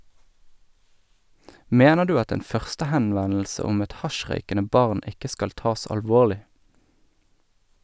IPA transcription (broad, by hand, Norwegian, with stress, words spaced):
ˈmeːnə ˈdʉː ˈɑt ˈeːn ˈfœʁstəhɛnˌʋɛnl̩sə ˈʊm ˈɛt ˈhɑˌʃʁœʏkənə ˈbɑʁn ˈɪkə ˈskɑl ˈtɑːs ɑlˈʋoːlɪ